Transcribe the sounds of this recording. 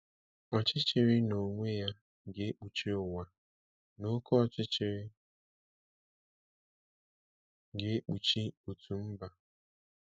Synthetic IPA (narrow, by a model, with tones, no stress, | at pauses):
ɔ˨t͡ʃɪ˦t͡ʃɪ˨ɾɪ˦no˨ŋʷe˦ja˦ | ɡe˦e˦k͡pu˨t͡ʃi˦ʊ˨wa˨ | no˦kɔ˦ɔ˨t͡ʃɪ˦t͡ʃɪ˨ɾɪ˦ | ɡe˦e˦k͡pu˨t͡ʃi˦u˨tu˨m̩˦ba˨